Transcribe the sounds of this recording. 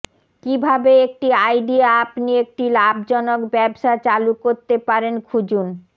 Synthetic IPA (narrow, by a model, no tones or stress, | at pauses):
kibʱabeek̚ʈiajɖiaapniek̚ʈilabd͡ʑɔnokbɛbʃat͡ɕalukoɾt̪epaɾenkʰud͡ʑun